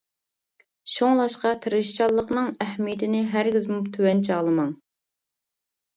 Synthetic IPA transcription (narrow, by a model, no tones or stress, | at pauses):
ʃoŋlˠɑʃqɑt̪ʰɨɾɨʃt͡ʃɑlˠːəqnɨŋæhmijɪt̪ʰɪnɪɦæɾɡʲizmupt̪ʰywɛnt͡ʃʰɑːlˠɨmɑŋ